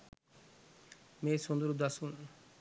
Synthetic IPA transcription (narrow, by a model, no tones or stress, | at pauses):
mesond̪uɾud̪asun